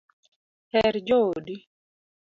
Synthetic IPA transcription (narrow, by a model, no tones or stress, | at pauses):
hɛɾd͡ʒodi